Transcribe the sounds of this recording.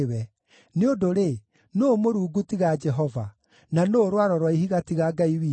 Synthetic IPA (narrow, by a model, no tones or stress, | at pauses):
wɛ | neodoɾe | noːmoɾuːɡutiɣad͡ʒɛɦɔva̰ | nanoːɾwaɾɔɾwaiɦiɣatiɣaːɡaiwi